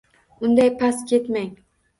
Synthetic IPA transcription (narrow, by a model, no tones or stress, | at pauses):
ʊnd̪ajpʰaskʲʰe̞t̪maŋ